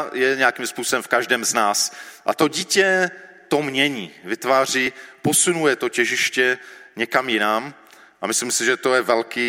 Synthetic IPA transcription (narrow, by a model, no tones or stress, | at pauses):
jɛɲɛakiːmspuːsobɛmfkaʒdɛːmznaːsʔa̰t̪o̞ɟiːcɛ | t̪o̞mɲɛɲiːvɪt̪vaːr̝iːposunujɛt̪o̞cɛʒɪʃcɛɲɛkamjɪnaːm | ʔamɪslimsɪʒɛt̪o̞jɛvɛlkiː